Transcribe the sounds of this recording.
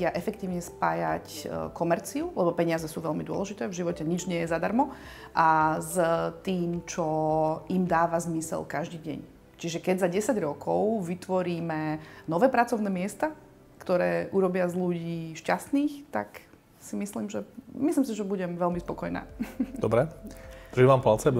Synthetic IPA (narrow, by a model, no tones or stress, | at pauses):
aʔɛfɛkt̪iːʊɲɛspaːjackɔmɛɾt͡siulɛbɔpɛɲɪazɛsuːʋɛlmid̪ʊɔ̰lɛʒit̪ɛːvʒiʋɔcɛɲid͡ʒɲɪɛjɛzad̪aɾmɔ | ʔazt̪iːmt͡ʃɔimd̪aːʋazmisɛ̰lkaʒd̪iːɟɛ̰ɲ | t͡ʃiʒɛkɛɟzaɟɛsaɟɾɔkʰɔʊʋit̪ʋɔɾiːmɛnɔʋɛːpɾat͡sɔʊnɛːmɪɛst̪a | kt̪ɔɾɛːʔuɾɔbɪazluɟiːʃcast̪niːxt̪a̰k | simisliːmʒɛmisliːms̬iʒɛbuɟɛmʋɛlmispɔkɔjna̰ːd̪ɔbɾɛd̪ɾiʋaːmpalt͡sɛ